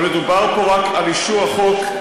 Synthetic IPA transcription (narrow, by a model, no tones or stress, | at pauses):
medubaʁpoʁakaliʃuaχok